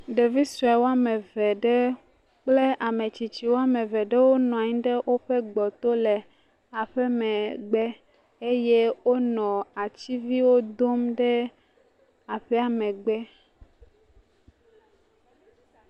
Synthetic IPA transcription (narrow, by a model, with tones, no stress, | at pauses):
ɖe˨vi˦su˨ɛ˨wo˦a˦mɛ˨vɛ˨ɖɛ˦ | k͡ple˦ʔa˨me˨t͡ɕi˨t͡ɕi˨wo˦a˦mɛ̃˨vɛ˨ɖɛ˦wo˦nɔ̃˨a˨ɲĩ˦ɖɛ˦wʔo˦ɸɛ˦ɡ͡bɔ˨t̪o˦lɛ˨ | a˨ɸɛ˦mɛ̃˨ɡ͡bɛ˦ | e˦je˦wo˦nɔ̃˨a˨t͡ɕi˦vi˦wo˦d̪o˦mɖɛ˦ | a˨ɸɛ˦a˨mɛ̃˨ɡ͡bɛ˦